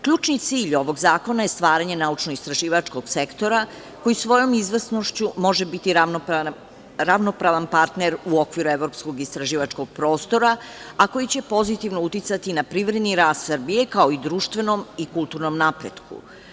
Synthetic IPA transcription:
kʎuːt͡ʃnit̪siːʎo̞ʋo̞ɡzaːko̞naje̞st̪ʋaːɾaɲe̞naut͡ʃnoist̪ɾaʒiːʋat͡ʃko̞ɡ̥se̞kt̪o̞ɾa | ko̞jisʋo̞jo̞mizʋəsnoʃt͡ɕumo̞ʒebit̪i | ɾaʋno̞pɾaʋanpaɾt̪neɾuokʋiɾueʋɾo̞psko̞ɡist̪ɾaʒiːʋat͡ʃko̞ɡ̥̚pɾo̞ːst̪o̞ɾaako̞jit͡ɕe̞po̞zit̪iʋnout̪it̪sat̪inapɾiʋɾe̞d̪niɾaːst̪səɾbije̞kao̞id̪ɾuːʃt̪ʋe̞nomikulˠt̪uɾno̞mnapɾḛd̪kṵ

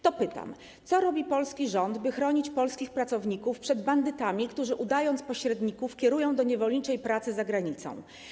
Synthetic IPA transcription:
t̪ɔpɘt̪a̰m | sɔɾɔbʲipɔlskʲiʐɔnd̪bɘxɾɔɲit͡ɕpɔlskʲixpɾat̪sɔvɲikufpʂɛd̪band̪ɘt̪amʲikt̪uʐɘʔud̪ajɔnt̪spɔɕɾɛd̪ɲikufkʲɛɾujɔ̃w̃d̪ɔɲɛvɔlɲit͡ʂɛjpɾat̪sɘzaɡɾaɲit̪sɔ̰̃w̃

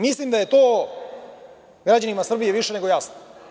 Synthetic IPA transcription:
mislimd̪aje̞t̪oː | ɡɾad͡ʑanimasr̩bijeʋiʃene̞ɡo̞jasno

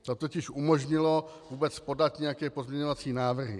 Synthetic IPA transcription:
t̪o̞t̪o̞cɪʃʔumoʒɲɪlo̞vuːbɛt͡spo̞dat̪ɲɛjakɛːpo̞zmɲɛɲovat͡siːnaːvr̩ɦɪ̰

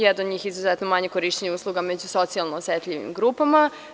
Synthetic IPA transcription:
jed̪noɲiːxizuzet̪nomaɲekoɾiʃt͡ɕeɲeuːslˠuɡamed͡ʑuso̞t̪sialˠnoːsjet̪ʎʲiʋḭmɡɾuːpama

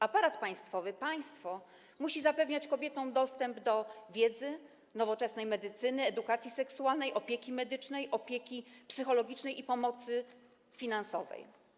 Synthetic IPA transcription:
apaɾat̪paj̃st̪fɔvɘpaj̃st̪fɔ | muɕizapɛvɲat͡ɕkɔbʲjɛt̪ɔ̃w̃d̪ɔst̪ɛmbd̪ɔvʲjɛd̪zɘ | nɔvɔt͡ʂɛsnɛjmɛd̪ɘt̪sɘnɘɛd̪ukat̪sʲjisɛksualnɛjʔɔpʲjɛkʲimɛd̪ɘt͡ʂnɛjʔɔpʲjekʲipsɘxɔlɔɡʲit͡ʂnɛjipɔmɔt̪sɘ | fʲinansɔvɛ̰j

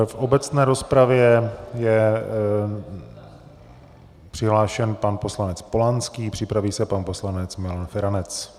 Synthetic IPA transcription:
fʔo̞bɛt͡snɛːɾo̞spɾavjɛjɛ | pr̝̥ɪɦlaːʃɛnpanpo̞slanɛt͡spo̞lanskiːpr̝̥ɪpɾaviːsɛpanpo̞slanɛt͡smɪlanfɛɾanɛt͡s

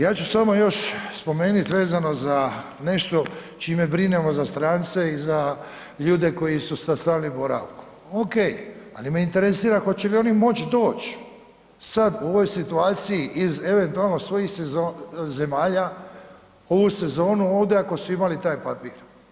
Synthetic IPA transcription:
jaːt͡ʃusamo̞jo̞ʃspo̞me̞ːnit̪ʋe̞ːzano̞za | ne̞ʃt̪o̞ | t͡ʃime̞bɾine̞mo̞zast̪ɾaːnt̪se̞iza | ʎuːd̪e̞ko̞jisusast̪aːlnibo̞ɾa̰ʋku̥ | oke̞ja̰limeint̪e̞ɾesiːɾaxo̞t͡ɕe̞lio̞nimo̞t͡ɕd̪o̞ːt͡ɕ | sad̪uo̞ʋo̞jsit̪uaːt̪sijiʔize̞ʋe̞nt̪ualˠno̞sʋo̞jixseoze̞maːʎa | o̞ʋuse̞zo̞ːnuo̞ːʋd̪eako̞suimalit̪aːjpapiːɾ

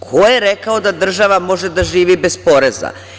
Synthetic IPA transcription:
kʰojeɾekaod̪ad̪r̩ʒaʋamo̞ʒed̪aʒiːʋibe̞spo̞ɾeza̰

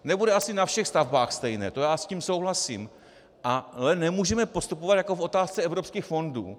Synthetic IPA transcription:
nɛbudɛasɪnafʃɛxst̪avbaːxst̪ɛjnɛ̰ːt̪o̞jaːsciːmso̞wɦlasḭːm | ʔalɛnɛmuːʒɛmɛpo̞st̪upovat̪jako̞fʔo̞t̪aːst͡sɛɛvɾo̞pskiːxfo̞nduː

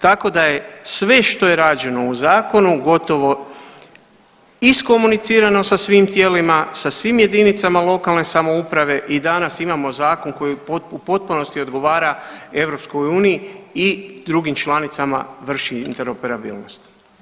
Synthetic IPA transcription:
t̪ako̞d̪aje̞sʋe̞ʃt̪o̞je̞ɾaːd͡ʒe̞no̞uzaːko̞nuɡo̞t̪o̞ʋo̞ | isko̞munit̪siːɾano̞sasʋimt̪jeːlimasasʋimje̞d̪init̪samalˠo̞kalne̞samo̞upɾaʋe̞ʔid̪anasimamo̞zaːko̞nko̞jipoupo̞t̪̚puno̞st̪iod̪ɡo̞ʋaːɾae̞ʋɾo̞psko̞juːnijiid̪ɾuɡimt͡ʃlanit̪sama̰ʋr̩ʃiint̪e̞ɾo̞pe̞ɾabḭːlno̞st̪

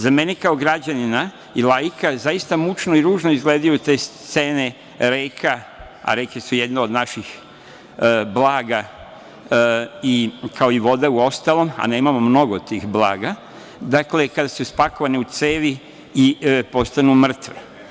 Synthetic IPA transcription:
zame̞nikao̞ɡɾad͡ʑanina | ilajikʰazajist̪amut͡ʃnoiɾuːʒnoizɡleːd̪ajut̪e̞ːstt̪se̞ːne̞ | ɾeːkʰa | a̰ɾekesuje̞d̪neod̪naʃix | blaːɡa | ikʰao̞iʋo̞d̪euo̞st̪alˠo̞ma̰neːmamo̞mno̞ɡot̪iːxblˠaːɡa | d̪akle̞kad̪asuspako̞ʋaneut̪seːʋi | ipo̞st̪anumr̩t̪ʋḛ

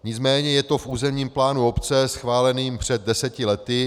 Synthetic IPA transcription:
ɲɪt͡smɛːɲɛjɛt̪o̞fʔuːzɛmɲiːmplaːnuo̞pt͡sɛsxvaːlɛniːmpr̝̥ɛd̪̚dɛsɛcɪlɛt̪ɪ

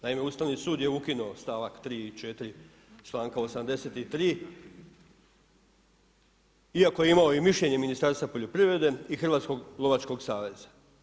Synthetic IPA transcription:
naime̞uːst̪aʋnisuːd̪je̞ukinuost̪aːʋakt̪ɾiːit͡ʃe̞t̪iɾi | t͡ʃlˠaːŋkao̞samd̪e̞seːt̪it̪ɾiː | iakoje̞imao̞imiʃʎe̞ɲe̞minist̪aɾst̪ʋapo̞ʎo̞pɾiʋɾe̞d̪e̞ixrʋaːt̪sko̞ɡlˠo̞ʋat͡ʃko̞ɡsaːʋe̞z̥a

